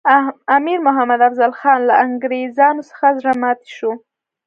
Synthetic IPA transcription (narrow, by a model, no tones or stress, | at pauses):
amiɾmʊɦamad̪afzalxɑnlaaŋɡɾezɑnosə̥xazɾamɑt̪e̥ʃo